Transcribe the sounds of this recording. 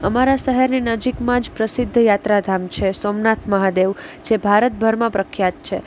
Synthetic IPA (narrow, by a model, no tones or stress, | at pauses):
əmaɾaʃəɦəɾninəd͡ʒikmãd͡ʒpɾəsɪd̪ʱːjat̪ɾad̪ʱamt͡ʃʰesomnat̪ʰməɦad̪eʋd͡ʒebʱaɾət̪̚bʱəɾmãpɾəkʰjat̪̚t͡ʃʰe